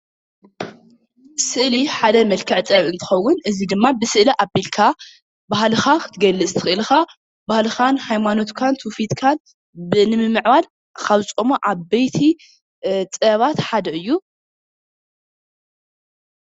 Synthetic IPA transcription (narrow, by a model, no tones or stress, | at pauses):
sɨʔliħad̪ɐmɐlkʰɐʕt͡s̪ʼɐβɨnt̪ʰɨ̥xɐwːʊnʔɨzid̪ɨmːabɨsɨʔliʔabilkʰa | bahlɨxakʰɨ̥t̪ʰɨɡɐlːɨt͡sʼt̪ʰɨ̥xɨʔɨlxa | bahlɨxanhajmano̞t̪kʰant̪ʰufit̪kʰan | bɨnɨmɨmːɨʕβal | xaβt͡sʼomoʔaβbejt̪ʰi | t͡sʼɐβat̪ħad̪ɐʔɨjːu